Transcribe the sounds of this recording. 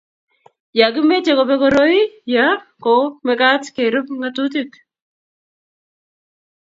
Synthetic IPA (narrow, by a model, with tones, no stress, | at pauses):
ja˨ɡɪ˦me˦t͡ʃe˦kɔ˨pɛ˦kɔ˦ɾo˦i˦ja˦kɔ˨mɛ˦ka˦tke˨ɾʊ˦p̚ŋatut̬ɪk